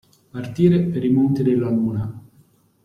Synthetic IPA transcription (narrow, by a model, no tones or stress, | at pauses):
mart̪iːɾepeɾimont̪id̪elːamuːna